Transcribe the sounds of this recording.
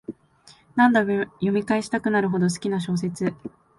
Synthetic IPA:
nãnd̪ajomʲikaeɕi̥t̪akɯ̟naɾɯ̟ɦo̞d̪o̞s̬ɨ̥kʲinaɕ̬o̞ːs̬e̞t͡sɨ

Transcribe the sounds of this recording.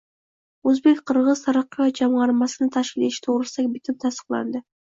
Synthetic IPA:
ɵzbe̞kʲqʰɨɾʁɨz̥t̪ʰaɾɑqːɨjɒt̪̚d͡ʒamʁɑɾmɑsɪnɪt̪ʰaʃkʲɪleʃɪ̥t̪ʰoʁɾɪsakʲbɪt̪ʰɪmt̪ʰast̪ə̥qlˠɑ̰nd̪ɪ

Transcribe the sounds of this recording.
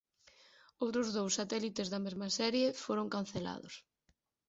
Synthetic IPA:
owt̪ɾʊzðowsːat̪ɛlit̪ezðɐmezmɐsɛɾjefoɾʊŋkan̟θela̰ðʊ̰s

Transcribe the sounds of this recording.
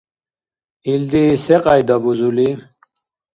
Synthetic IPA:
ild̪iseqʼajd̪abuzuli

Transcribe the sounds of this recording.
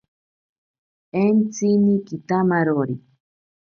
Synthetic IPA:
ent͡sinikit̪amaɾoɾi

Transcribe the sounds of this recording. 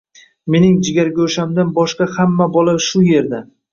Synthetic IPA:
me̞nɪŋd͡ʒɪɡʲaɾɡʲaoʃamd̪anbɒʃqɑhamːabɒlˠaʃʊje̞ɾd̪a

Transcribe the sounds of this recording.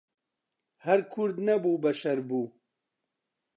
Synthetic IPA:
hɐɾkʰʊɾd̪nɐbuːbɐʃɐɾbuː

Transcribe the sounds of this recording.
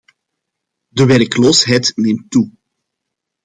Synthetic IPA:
dəʋɛɾkloːsɦɛjtneːmtːu

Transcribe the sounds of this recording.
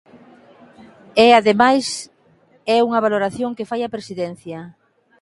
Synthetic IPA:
ɛaðemajs | ɛuŋɐβ̞aloɾaθjoŋkefajɐpɾesiðɛn̟θjɐ

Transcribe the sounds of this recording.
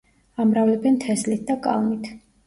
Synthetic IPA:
amɾavlɛbɛnt̪ʰɛslit̪̚ʰd̪akʼa̰lˠmit̪ʰ

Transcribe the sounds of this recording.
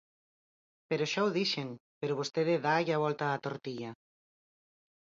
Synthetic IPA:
peɾoʃawðiʃeŋpeɾoβ̞ost̪eðɪðaʝaβ̞ɔlt̪aːt̪oɾt̪iʎa

